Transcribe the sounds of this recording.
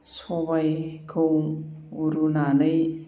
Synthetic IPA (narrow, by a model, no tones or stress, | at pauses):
soβajkʰɯwuɾunanɯj